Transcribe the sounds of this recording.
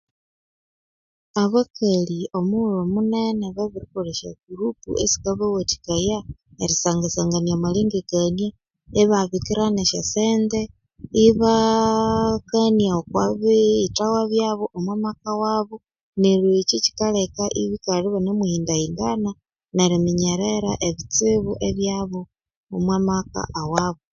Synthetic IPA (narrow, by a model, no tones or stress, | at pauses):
aβakalio̞mulomuneneβaβiɾikoɾeʃa̰ɡuɾupṵḛsi̥kaβawati̥kajaeɾisaːŋɡasaŋɡaniamaliːŋɡeɡanie | eβaβikiɾaneʃa̰seːnde | iβa | kanijaokwaβiitawaβjaːβoʔomwamakawaβo | niɾet͡ʃici̥kalekaʔiβikaɾiβanemwuhiːndaindana | neɾimiɲeɾeɾaʔeβit͡siβuʔeβjaβo | omwamaka̰ʔawaβo